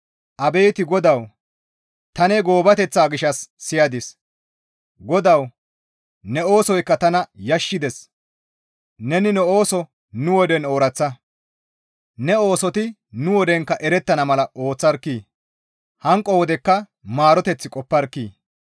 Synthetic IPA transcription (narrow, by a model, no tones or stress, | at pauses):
ʔɐbeːt̪ɪɡɔd̪ɐw | t̪ɐnɛɡo̞ːbɐt̪ɛt͡sːaːɡɪʃɐsːɪjɐd̪ɪs | ɡɔd̪ɐw | nɛo̞ːsɔjkːɐt̪ɐnɐjɐʃːɪd̪ɛs | nɛnɪnɛo̞ːsɔ | nʊwɔd̪ɛno̞ːɾɐt͡sːɐ | nɛo̞ːsɔt̪ɪ | nʊwɔd̪ɛŋkːɐʔɛɾɛt̪ːɐnɐmɐlɐʔo̞ːt͡sːɐɾkːiː | hɐŋkʼːɔwɔd̪ɛkːɐ | maːɾɔt̪ɛt͡sːɪkʼɔpːɐɾkːiː